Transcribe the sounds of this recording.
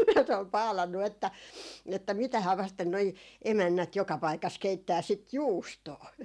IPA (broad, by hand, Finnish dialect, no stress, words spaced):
jɑ se ol pɑːlɑnːu etːæ etːæ mitæhæː ʋɑsten noi emænːæt jokɑ pɑikɑs keitːæː sit juːstoː